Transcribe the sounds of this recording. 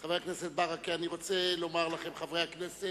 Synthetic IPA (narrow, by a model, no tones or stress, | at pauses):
χaveakneset̪̚baʁakianiʁot͡selo̞maʁlaχemχavʁejhaknese